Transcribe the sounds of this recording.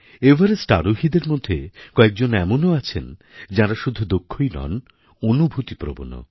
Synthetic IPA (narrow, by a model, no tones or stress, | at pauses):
ebaɾesʈa̰ɾoɦid̪eɾmod̪ʱːekɔek̚d͡ʑonɛmonoat͡ɕʰen | d͡ʑaɾaʃud̪ʱud̪okʰːojnɔ̰n | onubʱut̪ipɾo̰bo̰no̰